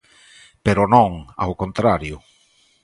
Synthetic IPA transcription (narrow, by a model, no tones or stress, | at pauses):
peɾonõŋa̰wkont̪ɾaɾjʊ